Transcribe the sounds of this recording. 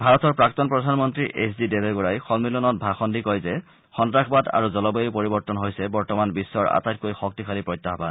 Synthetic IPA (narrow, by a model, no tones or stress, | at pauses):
bʱaɹɔtɔɹpɹaktɔnpɹɔdʱanmɔntɹiʔʔesdidebeɡuɹajxɔlmilɔnɔt̚bʱaxɔndikɔjzɛ | xɔndɹakʰbada̰ɹuzɔlɔbejpoɹibɔɹtɔnɦojsɛbɔɹtɔmanbisːɔɹa̰tajt̚kojxɔk̚tikʰalipɹɔjt̪ːaxɔpa̰n